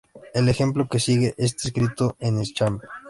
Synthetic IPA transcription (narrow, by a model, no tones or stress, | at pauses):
ele̞xe̞mploke̞siɣeʔes̬t̪aes̬kɾit̪oenest͡ʃam